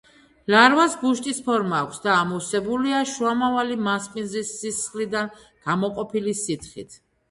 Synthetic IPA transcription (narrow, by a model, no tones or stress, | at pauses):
laɾvasɡuʃt̪ʼispʰɔɾmaːkʷʰsd̪aːmusɛbuliaʃuamavalimaspʼinzisːisχlid̪an | ɡ̥amɔqʼɔpʰilisit̪ʰχḭt̪ʰ